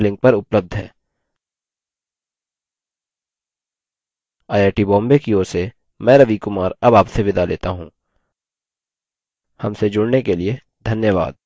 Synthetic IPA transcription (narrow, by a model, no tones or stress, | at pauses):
lɪ̃ŋk̚pɐɾʊpləb̚d̪ʱɦɛ̰ː | aːjaːʈibɔ̃ːmbekioːɾse | mɛ̃ːɾɐʋikʊmaːɾɐbaːpseʋɪd̪alḛːt̪aɦũː | hɐmsed͡ʒʊɽnekelie | d̪ʱɐnjəʋa̰ːd̪̚